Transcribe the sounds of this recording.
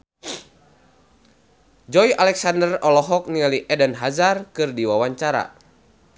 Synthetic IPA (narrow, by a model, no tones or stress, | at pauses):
d͡ʒɔjʔalɛksandərɔlɔɦɔk̚nialiʔɛdənɦazarkɨrdiwawaɲt͡ʃaɾa̰